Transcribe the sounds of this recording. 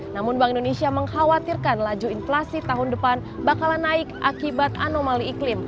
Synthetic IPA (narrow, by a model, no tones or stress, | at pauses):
namʊnbaŋindonesiaməŋhawat̪irkanlad͡ʒuinflasit̪aɦʊndəpan | bakalanaɪkʔakibat̪̚a̰nomaliːklɪm